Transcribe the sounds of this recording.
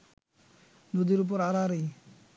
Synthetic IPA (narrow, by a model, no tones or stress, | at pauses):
nud̪iɾup̬ɔɾaɾaɾɯj